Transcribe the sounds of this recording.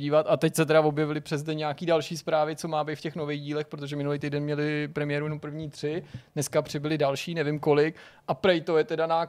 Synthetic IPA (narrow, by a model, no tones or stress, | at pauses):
iːvat̪at̪ɛcsɛt̪ɛdavo̞bjɛvɪlɪpr̝̥ɛzdɛɲɛakiːdalʃiːspɾaːvɪt͡so̞maːbejt̪fcɛxnovɛɣɟiːlɛxpɾot̪oʒɛmɪnuliːt̪ijdɛnmɲɛlɪpɾɛmɪjɛːɾujɛnompr̩vɲiːt̪r̝̥ɪ̥nɛskapr̝̥ɪbɪlɪdalʃiːnɛvɪmko̞lɪkʔapɾɛjt̪ojɛt̪ɛdanaː